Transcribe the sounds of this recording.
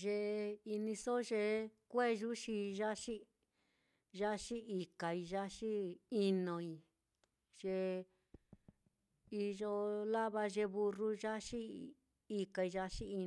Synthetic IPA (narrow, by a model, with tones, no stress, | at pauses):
ʒe˧i˧nĩ˧so˦ʒe˧kʷe˦ʒu˦ʃi˧ʒa˦ʂi˦ | ʒa˦ʃi˦i˨ka˨i˧ʒa˦ʂi˦i˧nõ˧i˧ | ʒ̥e˧ | i˧ʒo˧la˦βa˧ʒe˧βu˧ru˧ʒa˦ʃi˦ | i˧ka˧i˧ʒa˧ʃi˦i˧